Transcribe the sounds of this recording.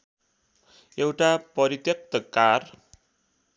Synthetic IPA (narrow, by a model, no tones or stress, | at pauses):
ewʈapʌɾit̪jʌk̚t̪ʌkar